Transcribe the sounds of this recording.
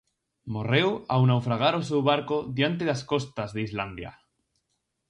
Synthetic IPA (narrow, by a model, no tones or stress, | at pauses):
morewawnawfɾaɣ̞aɾos̬ewβaɾkoðjant̪̬eðasko̞st̪azðeizland̪ja̰